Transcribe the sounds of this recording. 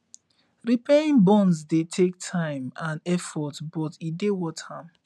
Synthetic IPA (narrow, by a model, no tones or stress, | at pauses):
ɹipeĩŋbɔ̃nzdetʰek̚tʰãɪ̃mãnɛfɔtbɔtidewɔthãm